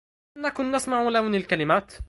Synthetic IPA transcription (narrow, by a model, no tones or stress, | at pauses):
nakʊnːasmaʕulawnilkalɪmaːt̪